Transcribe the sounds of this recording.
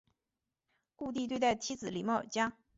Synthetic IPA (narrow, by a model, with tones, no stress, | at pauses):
ku˥˧t̪i˥˧t̪we˥˧ɪt̪a˥˩ɪt̪ʰi˧˥t͡sɹ̩˨˩li˨˩m˥˩ə̰˞˨˩t͡ɕja˥